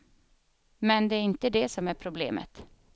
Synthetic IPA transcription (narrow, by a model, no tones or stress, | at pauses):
mɛnd̪ɛæɾɪnt̪əd̪ɛsɔmæɾpʰɾʊblḛːmə̰t̪